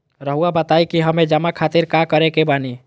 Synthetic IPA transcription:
ɾəɦuabət̪aikiɦəmed͡ʒəmakʰat̪iɾkakəɾekebani

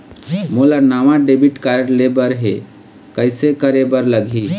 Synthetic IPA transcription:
molanaʋãɖebiʈkaɾəɽlebəɾɦe | kəɪsekəɾebəɾləɡʱi

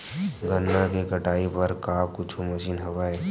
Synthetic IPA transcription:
ɡɐnːakekɐʈaːipɐɾkaːpkʊt͡ʃʰumɐʃiːnɦɐʋaːe

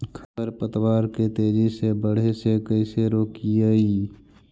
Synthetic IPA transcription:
kʰət̪əɾpət̪waːɾket̪eːd͡ʒisebəɽ̤esekəɪseɾoːkijaiː

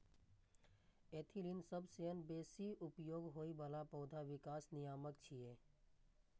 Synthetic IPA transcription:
eːt̪ʰilinsəbseənbeːsiʊpjoːɡɦoːiʋaːlapɔːd̪ʱaʋɪkaːsnɪjaːməkt͡ʃʰijeː

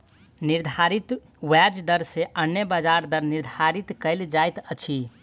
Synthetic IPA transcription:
niɾd̪ʱaɾit̪ | wɛd͡ʒd̪əɾseʔənːjəbəd͡ʒaɾd̪əɾniɾd̪ʱaɾit̪kəɪld͡ʒajt̪ət͡ʃʰi

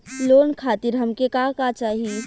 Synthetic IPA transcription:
loːnkʰaːt̪iɾɦɐmkekakat͡ʃaːɦi

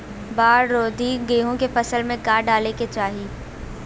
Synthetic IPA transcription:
baːɾːoːd̪ʱiɡeːɦõkefɐsəlmẽkaːɖaːleket͡ʃaːɦiː

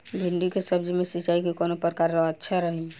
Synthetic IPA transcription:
bʱind̪ikesəbd͡ʒimẽsit͡ʃaikekɔːnopɾəkaɾɔɦətːʃʰaɾəɦi

